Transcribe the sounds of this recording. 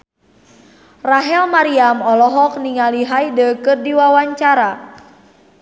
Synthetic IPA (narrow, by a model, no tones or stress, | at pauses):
raɦɛlmaɾiamɔlɔɦɔk̚niŋaliɦajdəkɨrdiwawaɲt͡ʃaɾa